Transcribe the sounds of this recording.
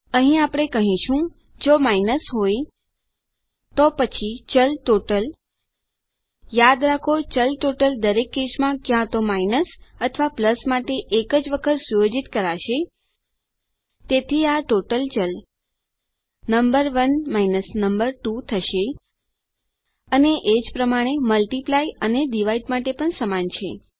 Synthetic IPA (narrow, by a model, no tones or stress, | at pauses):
əɦĩapɽ̃ekəɦĩʃũ | d͡ʒomainəsɦoj | t̪opət͡ʃʰit͡ʃəlʈoʈəl | jad̪ɾakʰot͡ʃəlʈoʈəld̪əɾekːeʃmãkjãt̪omainəsət̪ʰəʋapləsmaʈeʔekəd͡ʒʋəkʰət̪sujod͡ʒit̪kəɾaʃe | t̪et̪ʰiaʈoʈəlt͡ʃəl | nəmbəɾʋənmainəsnəmbəɾʈut̪ʰəʃe | əneʔed͡ʒpɾəmaɽ̃eməlʈiplajəneɖiʋaiʈmaʈepəɳsəmant͡ʃʰḛ